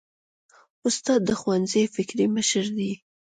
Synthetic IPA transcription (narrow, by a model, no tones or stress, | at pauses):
ʊst̪ɑd̪ːəxwanzejfɪkɾiməʃəɾd̪i